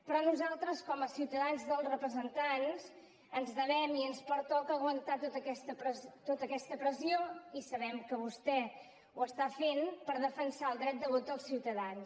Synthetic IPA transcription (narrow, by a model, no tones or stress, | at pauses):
pɾɔnuzalˠt̪ɾəskɔməsiwt̪əðanzðəlˠrəpɾəzənt̪anz | ənzðəβɛmiənspəɾt̪ɔkəːɣwənt̪at̪ot̪əkɛst̪əpɾəzt̪ot̪əkɛst̪əpɾəzioisəβɛmkəβust̪ɛ | uəst̪afenpəɾðəfənsaəlˠd̪ɾɛt̪̚d̪əβot̪əlˠsiwt̪əðans